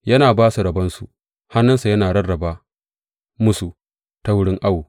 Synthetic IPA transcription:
jɐ˦naː˨baː˦su˨ɾɐ˨bɐ˦nsu˨ | ha˦nːɐ˦sa˨jɐ˦naː˨ɽɐ˦rːɐ˨baː˦ | mʊ˦su˨ | ta˦wʊ˦ɽɪ˦ŋʔa˦wu˨

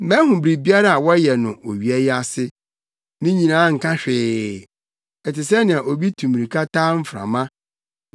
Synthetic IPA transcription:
mɛ̃˦ɦʊ̃˨bɾi˨bi˦a˦ɾa˨a˨wɔ˦jɛ˨nʊ̃˨ʔo˨ɥi˨ɛ˦ja˨sɪ˦ | mɪ̃˦ɲĩ˨nãː˨˦ŋ̩˨kʰã˦ɕᶣɪː˨ | ɛ˨tɪ˨s̬ɛ˦nɪ̃˨a˨ʔo˨bi˦tʰũ˨mĩ˨ĩ˨kʰa˦tʰaː˦m̩˦fɾã̰˨mã˦

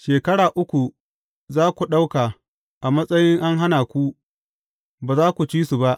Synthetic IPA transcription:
ʃeː˨kɐ˦ɽaː˨ʔʊ˦kʷu˨ | zaː˦kʷu˨ɗa˦wkaː˨ | ʔa˨mɐ˦sʼɐ˦jɪ˦ŋʔa˦ŋɦa˦naː˨kʷu˦ | baː˨zaː˦kʷu˨t͡ʃiː˦su˨ba˦ʔ

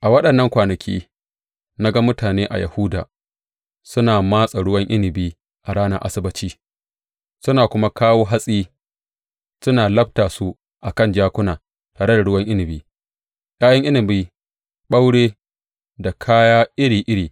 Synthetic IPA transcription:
ʔa˨wɐ˦ɗɐ˨nːɐ˦ŋkʷaː˨nɐ˨kʲʰḭː˦ | na˦ɡa˦mʊ˦taː˨neː˦ʔa̰˨ja̰˨hʊ˦da̰ː˨ | sʊ˦naː˨maː˦sʼa˨ɽʊ˦wɐ˦ŋʔɪ˦nɪ˨biː˦ | ʔa˨ɽaː˦nɐ̰˦ʔa̰˦sɪ˦bɐ˦t͡ʃiː˦ | sʊ˦naː˨kʷʊ˦ma˦kaː˦woː˦ɦa˦sʼiː˦ | sʊ˦naː˨lɐ˦b̚taː˨su˦ | ʔa˨kɐ˦˨nd͡ʒaː˦kʷʊ˦naː˨ | taː˨ɽe˦da˨ɽʊ˦wɐ˦ŋʔɪ˦nɪ˨biː˦ | jaː˦jɐ˦ŋʔɪ˦nɪ˨biː˦ | ɓa˦wɽeː˦ | da˨kʰaː˦jaː˦ʔɪ˦ɽiː˨ʔɪ˦ɽiː˨

